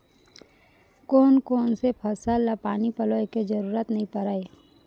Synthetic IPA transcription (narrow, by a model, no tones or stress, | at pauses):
koːnkoːnsepʰəsaːlapaːnipəloːeked͡ʒəɾuːɾət̪nəɦĩpəɾaːe